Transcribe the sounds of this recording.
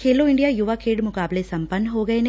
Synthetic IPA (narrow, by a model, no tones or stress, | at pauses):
kelːoːiɳɖijaːjuʋaːkʰeːɖmukaːbleːsɐmpɐnɦoːɡɐjne